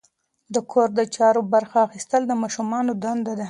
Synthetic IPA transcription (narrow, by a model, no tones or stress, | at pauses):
d̪əkʰoɾd̪ət͡ʃɑɾobaɾxaːxist̪əld̪əmɑʃumɑnod̪and̪ad̪a